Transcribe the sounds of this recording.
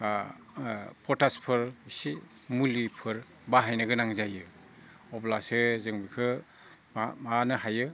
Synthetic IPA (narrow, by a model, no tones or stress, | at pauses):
pʰɔtaspʰɯɾsi | mulipʰɯɾ | baɦajnɯɡɯnaŋzajɯ | ɔplasɯzɯŋbikʰɯ | amanɯhajɯ